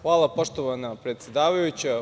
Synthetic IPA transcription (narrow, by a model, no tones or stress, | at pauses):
xʋaːlˠapo̞ʃt̪oʋanapɾet̪sʲjed̪aːʋajut͡ɕa